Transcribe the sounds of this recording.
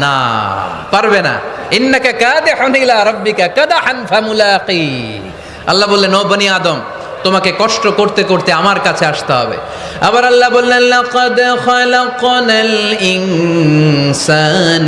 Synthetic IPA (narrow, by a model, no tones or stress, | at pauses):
na̰ | paɾbena̰inːakakaːd̪iħunilaːɾˤɑbːikakɐd̪aħanfamulaːqi | ɐ̰lːaɦbolːenobɐniaːd̪om | t̪omakekɔʃʈokoɾt̪ekoɾt̪eamaɾkat͡ɕʰeaʃt̪eɦɔ̰bḛ | ɐbaɾɐlːabolːenlaqɔd̪xlaqɔnalin | san